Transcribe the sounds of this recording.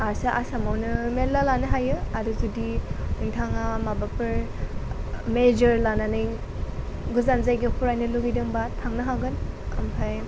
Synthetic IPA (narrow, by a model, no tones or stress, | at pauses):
asaʔasamawnɯmelalanɯɦajɯaɾuzudiɯŋtʰaŋamabapɯɾ | med͡ʒɯɾlananɯj | ɡuzanzajɡɯpʰuɾajnɯluɡidɯŋbatʰaŋnɯɦaɡɯnɐ̰mpʰaj